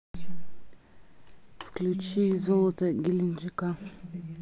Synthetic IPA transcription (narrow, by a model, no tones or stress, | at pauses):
fklut͡ʃizot̪eŋɡilind͡ʒika